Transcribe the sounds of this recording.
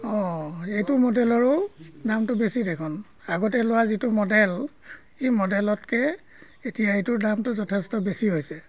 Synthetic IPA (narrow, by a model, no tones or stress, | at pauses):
ɔ̃ejtʊmɔdɛlɔɹʊdamtʊbesidekʰɔn | aɡɔtɛlʊwazitʊmɔdɛl | ejmɔdɛlɔtkɛ | etijaetʊdamtʊzɔtʰɛstɔbesiɦojsɛ